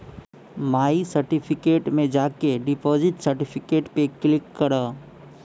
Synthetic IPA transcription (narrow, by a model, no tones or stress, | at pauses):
maːisəɾʈipʰɪkeːʈmẽd͡ʒaːkeɖɪpɔːzɪʈsəɾʈɪpʰɪkeːʈpeklɪkːəɾaː